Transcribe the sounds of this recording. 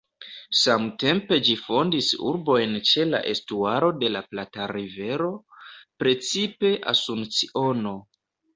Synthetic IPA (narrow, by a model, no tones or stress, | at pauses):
samte̞mpe̞d͡ʒifo̞ndisuɾbo̞jnt͡ʃe̞la̰ʔe̞stuaɾo̞de̞laplataɾive̞ɾo̞pɾe̞t͡sipe̞ʔa̰sunt͡siʔo̞no̞